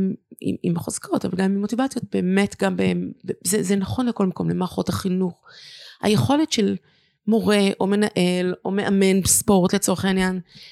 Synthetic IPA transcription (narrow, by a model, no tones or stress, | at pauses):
mḭmḭmχoz̥kʰotavalɡamimotivat͡sijot̚be̞ːmetɡambebezezenaχo̞nleko̞lmako̞mlemaːχo̞taχinuχha̰jeχo̞letʃel | mo̞ʁe̞ʔo̞me̞naʔe̞lo̞me̞ʔame̞nbespo̞ʁtlet͡so̞ʁeχainjan